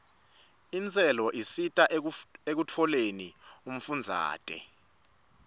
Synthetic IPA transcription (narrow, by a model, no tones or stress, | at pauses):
int͡sʼɛlɔʔisitʼaek̬utʰɔlenium̩fund͡zʱa̰ːtʼɛ̰